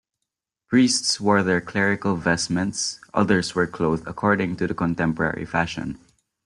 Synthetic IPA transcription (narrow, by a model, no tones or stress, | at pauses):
pɹiːstswəɹðɛɹkʰlɛɹɪkəlˠvɛsmɛ̃ntsʔʌ̰ðə˞swə˞kʰloʊθə̰kʰɔɹdɪ̃ŋtudəkɔ̃nt̪ɛ̃mpɔɹɛ̰ɹḭfæʃɔ̰̃n